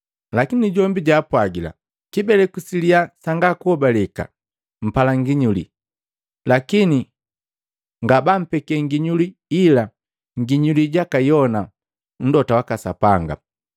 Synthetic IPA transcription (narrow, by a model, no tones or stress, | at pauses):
lakiniɟɔmbiɟaːpwaɡila̰ | kibɛlɛkusiliasaŋɡakuhɔbalɛka̰ | m̩palaŋɡiɲulḭ | lakini | ŋɡabam̩pɛkɛŋɡiɲuliːla | ŋɡiɲuliɟakajɔna | n̩dɔtawakasapaŋɡa̰